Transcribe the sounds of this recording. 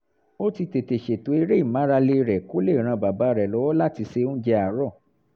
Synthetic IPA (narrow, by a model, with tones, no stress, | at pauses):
o˦ti˧te˨te˨ʃe˨to˨˦i˧ɾe˦i˦˨mã˨˦ɾa˧le˧ɾɛ˨ko˦le˦˨ɾ̃ã˧ba˨ba˨˦ɾɛ˨lɔ˨˦wɔ˦la˦˨ti˧se˧˦d͡ʒɛ˧a˨ɾɔ˦˨